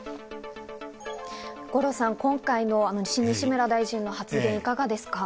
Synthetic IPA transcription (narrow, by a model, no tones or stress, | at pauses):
ɡ̥o̞ɾo̞sãŋkõ̞ŋkaino̞ano̞ɕimĩɕimɯɾad̪aiʑĩnːo̞hat͡sɨɡẽ̞ɰ̃ikaɡad̪e̞sɨ̥ka